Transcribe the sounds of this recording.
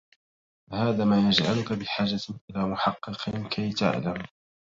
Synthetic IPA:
fahaːðaːmaːjad͡ʒʕalʊkabɪħaːd͡ʒaʔɪlaːmʊħɑqːɨqʰɪnkʰajt̪a̰ʕlam

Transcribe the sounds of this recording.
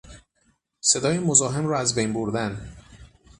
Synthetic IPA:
se̞d̪ɒːjemozɒːɦe̞mɾɒːæzbejnboɾd̪æn

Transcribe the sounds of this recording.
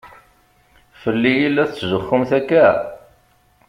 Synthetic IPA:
fəlːijilːæθt͡sːʒəχːʊmθækːæ

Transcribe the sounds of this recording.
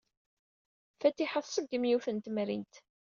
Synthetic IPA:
fæt̪ːiħəðˤsˤəɡːəmjuθənt̪mɾḭnt̪

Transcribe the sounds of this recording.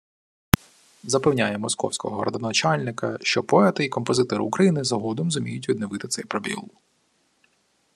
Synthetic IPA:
zɐpewnʲajɛmɔskɔ̰wsʲkɔɦɔɾɐ̰d̪ɔnɐt͡ʃɑlʲnɪkɐʃt͡ʃɔpɔɛt̪ɪikɔmpɔzɪt̪ɔɾ̰ːkɾɐjinɪzɐɦɔd̪ɔmzʊmʲijʊtʲʋʲid̪nɪʋɪt̪ɪt̪sɛjpɾɔbʲḭlˠ

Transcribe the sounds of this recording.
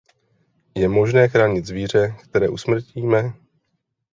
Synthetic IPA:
jɛmo̞ʒnɛːxɾaːɲɪd̪zviːr̝ɛkt̪ɛɾɛːʔusmr̩ciːmɛ

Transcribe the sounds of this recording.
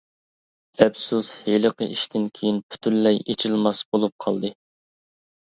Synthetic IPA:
ɛbsusheləqəʔiʃt̪ʰɪnkʲʰejinpʰy̥t̪ʰynlːɛjet͡ʃʰilˠmɑsbolˠup̚qʰɑlˠd̪ɨ

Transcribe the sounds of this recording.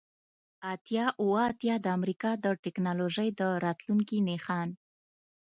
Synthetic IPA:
at̪jɑʔuwt̪jɑd̪əamɾikɑd̪əʈɪknɑloʒəjd̪əɾɑt̪luŋkinexɑn

